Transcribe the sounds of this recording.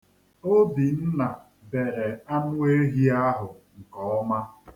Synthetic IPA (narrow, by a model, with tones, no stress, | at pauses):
o˦bi˨n̩˦na˨ | be˨ɾe˨a˦nʊ˦e˦ɦi˦a˦ɦʊ˨ŋ̩˨kɔ˨ɔ˦ma˦